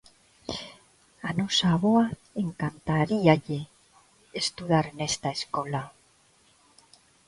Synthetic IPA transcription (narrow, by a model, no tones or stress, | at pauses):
anosaβoa | eŋkant̪aɾiaʎe | est̪uðaɾenest̪aeskola